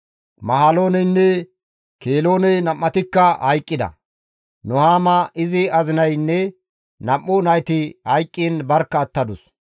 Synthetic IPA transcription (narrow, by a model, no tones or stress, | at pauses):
mɐɦaːlo̞ːnɛjnːɛ | keːlo̞ːnɛjnɐmːɐt̪ɪkːɐhɐjkʼːɪd̪ɐ̰ | nʊhaːmɐʔɪzɪɐzɪnɐjnːɛ | nɐmːʊnɐjt̪ɪhɐjkʼːiːnbɐɾkːɐːt̪ːɐd̪ʊs